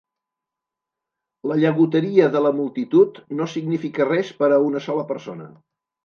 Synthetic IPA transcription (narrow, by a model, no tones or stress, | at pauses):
ləʎəɣut̪əɾiəðələmulˠt̪it̪ut̪nosiɡnifikərɛspəɾəunəsɔləpəɾsonə̰